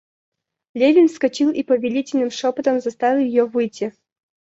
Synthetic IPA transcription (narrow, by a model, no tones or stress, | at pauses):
lʲevʲinskɐt͡ɕilˠipəvʲɪlʲitʲɪlʲnɨmʂopət̪əmzɐst̪avʲɪlˠjɪjovɨjtʲːɪ